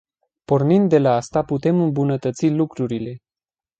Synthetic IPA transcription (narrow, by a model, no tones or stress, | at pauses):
po̞rnind̪̚ːe̞laast̪aput̪e̞mɨmbunət̪ət̪silukɾuɾile̞